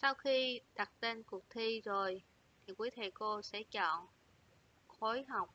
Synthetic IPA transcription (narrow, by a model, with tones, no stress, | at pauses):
sa˧wxi˧ɗa˨˩t̚t̪e˧nkʊ˨˩ək̚t̪ʰi˧zo˨˩j | t̪ʰi˨˩kwu˨˦t̪ʰe˧˩ko˧sɛ̰˧˥t͡ɕɔ̰˧˨n | xo˨˦jɦa˨˩wk͡p̚